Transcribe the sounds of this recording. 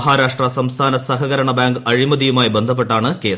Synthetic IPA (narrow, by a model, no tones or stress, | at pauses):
ɦaːɾaːʂʈrɐsɐmst̪ʰaːnɐsɐɦɐɣɐɾɐɳɐbaːŋɡɐɻimɐd̪ijumaːjbend̪ʱɐp̬ːe̞ʈːaːɳɨkeːs